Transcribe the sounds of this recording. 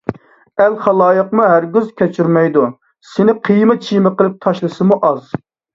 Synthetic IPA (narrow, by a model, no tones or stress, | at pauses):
ælχɑlˠɑːjəqmuɦæɾɡʲyzkʲɛt͡ʃʰyɾmɛjd̪u | sɪnɪqʰijmɨt͡ʃʰijmɨqəlˠɪp̚t̪ʰɑʃlˠɨsɨmuʔɑz